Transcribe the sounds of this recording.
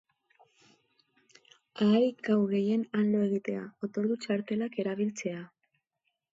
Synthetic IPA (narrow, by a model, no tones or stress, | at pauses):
aːjɡawɣe̞je̞nanlo̞e̞ɣit̪e̞a̰o̞t̪o̞ɾðut͡ʃaɾt̪e̞lake̞ɾaβ̞ilt͡se̞a